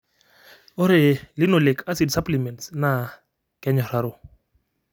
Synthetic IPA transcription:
ʊ˦ɾɪ˨lɪ˦no˨le˨kʰa˦si˨dsa˦pli˨mɛ˨ntsna˨ | kʼɛ˦ɲɔ˨ra˦ɾo˨

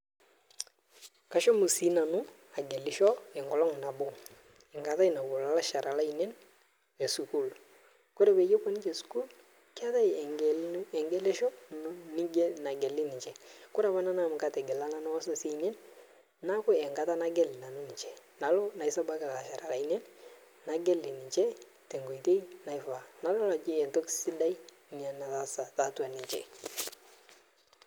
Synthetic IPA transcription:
ka˨ʃɔ˦mu˨si˨˦na˨nʊ˦ | a˨ɡe˨lɪ˨˦ʃɔ˦ɪ˨ŋɡɔ˨lɔ˦ŋ˨na˨bo˦ | ɪ˨ŋɡa˨ta˦i˨na˨bo˨la˨la˦ʃa˨ɾa˨la˦i˨ne˦n | e˨su˨ku˦˨l | kʊ˦ɾe˨be˨je˦pɔ˦nɪ˦t͡ʃe˨su̥˦ku˦l | kɪ˦a˦ta˦jɛ˨ŋɡɛ˦le˦ʃɔ˦ni˦ɡna˨ɡɛ˨lɪ˦nɪ˨t͡ʃɛ˨kʊ˦ɾa˨ma˦na˦na˦˨m˨ka˦te˨ɡɪ˨la˦na˦n˦wa˦so˨si˦˨ne˦n | na˦kʊ˦ɛ˨ŋɡa˦ta˦na˦ɡe˦lɪ˨na˨no˦ni˨t͡ʃe˨na˨lo˦na˨jsa˦ba˦kɪ˨la˨la˨ʃa˨ɾa˨la˨i˦ne˦n | na˨ɡe˦lːɪ˨ni˨t͡ʃe˦ | te˨ŋɡo˨i˨te˦i˦na˨jfa˨na˨lo˦la˨t͡ʃi˦e˨nto˦ksɪ˦da˦i˦ | ɲa˦na˨ta˨sa˨ta˨tu˦a˨nɪ˨ɲt͡ʃḛ˨

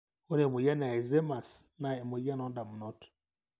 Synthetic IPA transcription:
o˦ɾe˨mu˨ja˦n˨a˨e˨ze˦ma˨sna˨e˨mu˨ja˦nɔ˦nda˨mu˨nɔ˦t

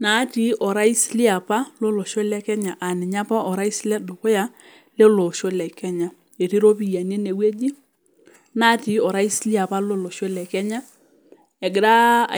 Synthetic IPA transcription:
na˨˦ti˨ʔɔ˨ɾa˦i˦slɪ˦a˨pa˦lo˦lo˨ʃo˦lɛ˦kɛ˦ɲa˨ʔa˨nɪ˨ɲa˦pɔ˦ʔɔ˨ɾa˦i˦slɛ˦do˨ko˦ja˦ | le˦lo˨ʃo˦lɛ˨kɛ˦ɲa˦ | e˨ti˦ɾo˦pi˨ja˨ne˦ne˨we˦d͡ʒi˦ | na˦ti˨ɔ˨ɾa˦i˦slɪ˦a˨pa˦lo˦lo˨ʃo˦lɛ˨kɛ˦ɲa˦ | ɛ˨ɡɪ˨ɾa̰˦˨

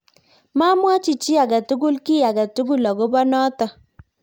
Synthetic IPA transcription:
ma˦mwa˦t͡ʃi˨t͡ʃi˦a˨ɡa˨tʊ˦kʊ˦lki˦a˨ɡa˨tʊ˦ɡʊ˦lɔ˨ko˦bɔ˦nɔ˦tɔ˨

